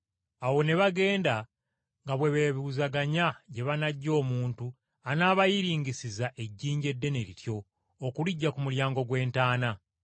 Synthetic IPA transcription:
awo̞ne̞βaɡe̞ːnda | ŋɡaβwe̞βeβiuzaɡaɲaɟe̞βanaɟːo̞ːmuːntu | anaːβajiɾiːɲɟisizaʔe̞ɟːiːɲɟe̞dːe̞ne̞ɾitjo̞ː | kuliɟːakumuljaːŋɡo̞ɡwe̞ːntaːna

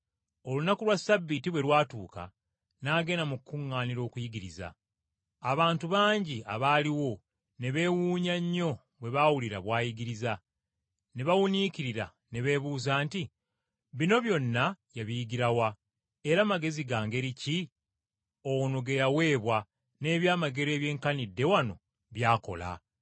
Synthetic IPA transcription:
o̞lunakulwasabːitiβwe̞lwaːtuːka̰ | naːɡe̞namukːuŋːaːniɾo̞ːkujiɡiɾiza̰ː | βaːntuβaːɲɟia̰βaːliwo̞ | ne̞βe̞ːwuːɲaɲːo̞ | βwe̞βaːwuliɾa̰βwaːjiɡiɾiza | ne̞βawuniciɾiɾa̰ | ne̞βe̞ːβuːzaːnti | βino̞βjo̞nːajaβijiɡiɾawa | e̞ɾamaɡe̞ziɡaːŋɡe̞ɾici | o̞wno̞ɡe̞jawe̞ːβwa | ne̞ːβjaːmaɡe̞ɾe̞ːβje̞ːŋkanidːe̞wano̞̰ | βjaːko̞̰la̰

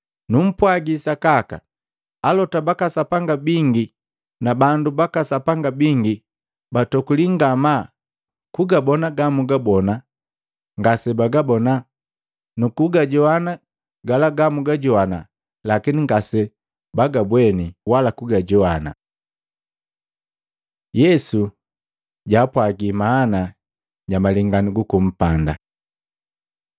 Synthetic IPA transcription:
num̩pwaɡisakaka̰ | alɔtabakasapaŋɡabiŋɡi | nabandubakasapaŋɡabiŋɡi | batɔkuliŋɡama | kuɡabɔnaɡamuɡabɔna | ŋɡasɛbaɡabɔna | nukuɡaɟɔana | ɡalaɡamuɡaɟɔhana | lakiniŋɡasɛ | baɡabwɛniwalakuɡaɟɔhana̰ | jɛsu | ɟaːpwaɡimaːna | ɟamaliŋɡaniɡukum̩panda̰

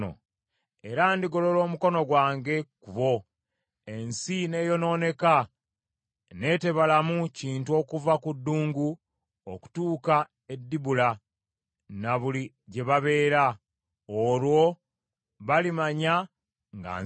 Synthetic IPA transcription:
o̰ | e̞ɾandiɡo̞lo̞lo̞ːmuko̞no̞ɡwaːŋɡe̞kuβo̞ | ensine̞ːjo̞no̞ːne̞ka | ne̞ːte̞βalamuciːntuo̞kuvakudːuːŋɡu | oku̥tuːka | e̞dːiβula | naβuli | ɟe̞βaβe̞ːɾa | olwo̞ | βalimaɲa | ŋɡa̰

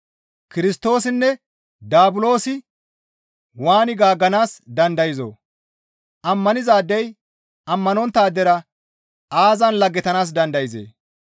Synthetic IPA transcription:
kɪɾɪst̪o̞ːsɪnːɛ | d̪aːbʊlo̞ːsɪ | waːnɪɡaːɡːɐnaːsd̪ɐnd̪ɐjɪzo̰ː | ʔɐmːɐnɪzaːd̪ːɛj | ɐmːɐnɔnt̪ːaːd̪ɛɾɐ | aːzɐnlɐɡːɛt̪ɐnaːs̬d̪ɐnd̪ɐjɪzḛː

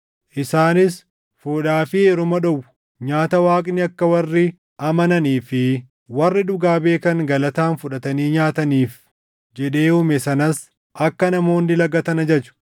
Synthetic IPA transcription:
ʔɪsaːnɪs | fuːᶑaːfɪeːɾʊmɐᶑɔwʊ | ɲaːt̪ɐwaːkʼnɪɐkːɐwɐrːɪ | ʔɐmɐnɐniːfɪ | wɐrːɪd̪ʊɡaːbe̞ːkɐŋɡɐlɐt̪aːnfʊᶑɐt̪ɐniːɲaːt̪ɐniːf | d͡ʒɛᶑe̞ːʊmɛsɐnɐs | ʔɐkːɐnɐmo̞ːnd̪ɪlɐɡɐt̪ɐnɐd͡ʒɛt͡ʃʊ̥

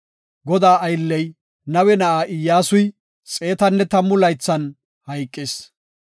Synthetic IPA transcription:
ɡɔd̪aːʔɐjlːɛj | nɐwɛnɐʔaːʔɪjːaːsʊj | t͡sʼe̞ːt̪ɐnːɛt̪ɐmːʊlɐjt͡sːɐn | hɐjkʼːɪs

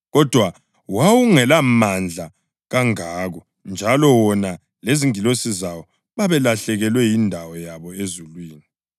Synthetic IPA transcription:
ɣɔd̥ʱwa | wawuŋɛlamand͡ɮʱa | ɣaŋaːɣɔ | nd͡ʒʱalɔwɔna | leziŋilosizawɔ | βaβɛlaɬɛɣɛlwɛjindʱawɔjaβɔezulwiːni

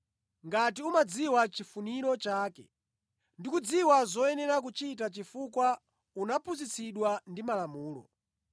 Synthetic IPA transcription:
ŋɡat̬iumad͡ziwat͡ʃifuniɾɔt͡ʃaːkɛ̰ | ndikud͡ziwazɔɛnɛɾak̬ut͡ʃit̬at͡ʃifukwa | unapʰuzit͡sʰiɗwandimalamuːlɔ̰

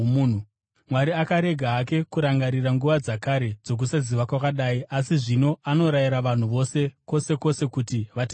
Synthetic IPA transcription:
mwaɾiakaɾe̞ɡʱaːke̞kuɾaŋɡaɾiraŋɡuʋad͡zakaɾe̞d͡zo̞k̬usaziʋakwakaɗaːiʔasiʐino̞ano̞ɾajiɾaʋan̤uʋo̞se̞ko̞se̞ko̞se̞kutiʋatː

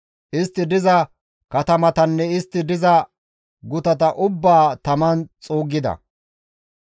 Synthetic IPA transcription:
ʔɪst̪ːɪd̪ɪzɐ | kɐt̪ɐmɐt̪ɐnːɛɪst̪ːɪd̪ɪzɐ | ɡʊt̪ɐt̪ɐʔʊbːaːt̪ɐmɐnt͡sʼoːɡːɪd̪ɐ̰

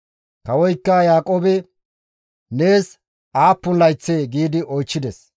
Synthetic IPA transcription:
kɐwɔjkːɐjaːkʼoːbɛ | neːs | aːpːʊnlɐjt͡sːeːɡiːd̪ɪʔɔjt͡ʃːɪd̪ɛs

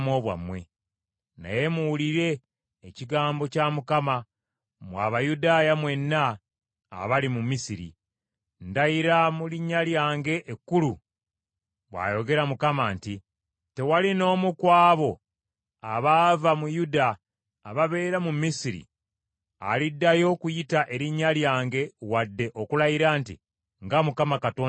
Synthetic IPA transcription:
mwo̞ːβwa̰mwe̞ | na̰je̞muwuliɾe̞ː | ciɡaːmbo̞camukama | mwa̰βajudaːjamwe̞nːa̰ː | βalimumisiɾḭ | ndajiɾamuliɲːaljaːŋɡe̞ʔːkːulu | βwa̰ːjo̞ɡe̞ɾamukamaːnti | te̞walino̞ːmukwaːβo̞ | aβaːvamujudaː | βaβe̞ːɾamumːisiɾḭ | a̰lidːajo̞kujitaʔe̞ɾiɲːaljaːŋɡe̞wadːe̞ʔo̞kulajiɾaːntḭ | ŋɡamukamakatoː

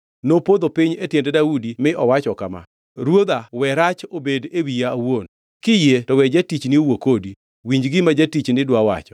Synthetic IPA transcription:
nopod̪opiɲetjendedaudimɪʔɔwat͡ʃɔkama̰ | ɾwod̪awɛɾat͡ʃobedewijaːwon | kɪjetɔwɛd͡ʒatit͡ʃniowokodi | wiɲd͡ʒɡɪmad͡ʒatit͡ʃnɪdwawa̰t͡ʃɔ̥

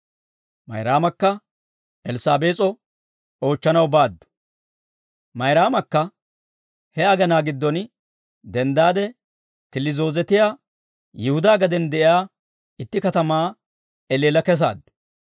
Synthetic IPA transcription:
mɐ̰jɾaːmɐkːɐ | ɛlɪsaːbeːt͡sʼɔ | o̞ːt͡ʃːɐnɐwbaːd̪ːʊ̥ | mɐjɾaːmɐkːɐ | hɛɐɡɐnaːɡɪd̪ːɔn | d̪ɛnd̪aːd̪ɛ | kɪlɪzo̞ːzɛt̪ɪjaː | jɪhʊd̪aːɡɐd̪ɛnd̪ɛʔɪjaː | ɪt̪ːɪkɐt̪ɐmaː | ɛleːlɐkɛs̬a̰ːd̪ːʊ̥

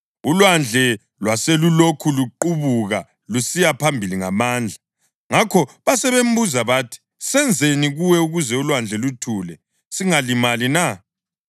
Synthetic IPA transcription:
ulwand͡ɮʱɛ | lwaselulokʰuluǃuβuɣa | lusijapʰambʱiliŋamaːnd͡ɮʱa | ŋakʰɔβasɛβem̩buzaβaːtʰi̥ | sɛnd͡zʱeniɣuwɛuɣuzɛulwand͡ɮʱɛlutʰuːlɛ | siŋalimalina

